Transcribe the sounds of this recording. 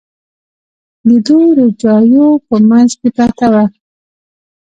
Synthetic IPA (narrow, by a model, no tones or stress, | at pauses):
lid̪ud̪əd͡ʒɑjopəmanzkepat̪awa